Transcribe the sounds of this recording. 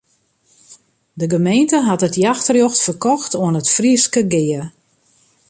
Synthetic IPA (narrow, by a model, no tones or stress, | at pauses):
dəɡəmejntəɦatətjaxtərjoxtfərkɔxtʰoənətfriskəɡɪːə